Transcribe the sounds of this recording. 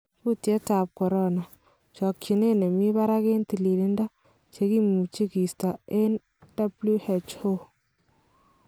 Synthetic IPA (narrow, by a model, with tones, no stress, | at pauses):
ku˦tje˦ta˨p̚kɔ˨ɾɔ˦na˨ | t͡ʃɔ˨kt͡ʃi˨ne˦ne˨mi˦βa˦ɾa˦ke˦nti˨li˨lɪ˦nda˦ | t͡ʃe˨ki˦mu˨t͡ʃi˦ki˨sta˨e˦n | d̥a˦blu˦he˨t͡ʃho˦